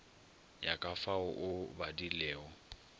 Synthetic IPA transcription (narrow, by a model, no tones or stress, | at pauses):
jakʼafaʊʔʊbadilɛːɔ